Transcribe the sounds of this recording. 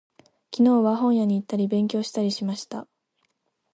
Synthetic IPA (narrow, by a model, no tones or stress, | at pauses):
kʲino̞ːβaɦõ̞ɰ̃jaɲ̟iːt̪ːaɾʲibẽ̞ŋk̬ʲo̞ːɕi̥t̪aɾʲiɕimaɕi̥t̪a